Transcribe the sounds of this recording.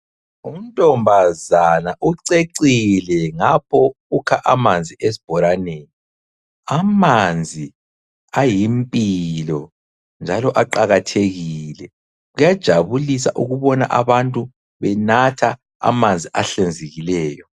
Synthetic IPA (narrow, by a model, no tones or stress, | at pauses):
um̩tʼɔmbʱazanaʔuǀeǀilɛŋapʰɔ | ukʰaʔamand͡zʱiʔes̬i̥b̥ʱɔɾaneːni | amand͡zʱi | ajimpʼilɔ | nd͡ʒʱalɔʔaǃaɣatʰeɣilɛ | ɣujad̥ʒ̥ʱaβulisa̰ʔuɣuβɔnaʔaβantʼu | βɛnatʰa | a̰mand͡zʱiʔaɬend͡zʱeɣilɛːjɔ